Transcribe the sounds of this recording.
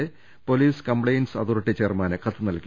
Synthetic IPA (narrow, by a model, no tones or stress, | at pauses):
e | poliːskɐmpɭɐjnsɐ̰ðurɨʈːit͡ɕeːrmaːnɨkɐt̪ːɨnɐlkʲ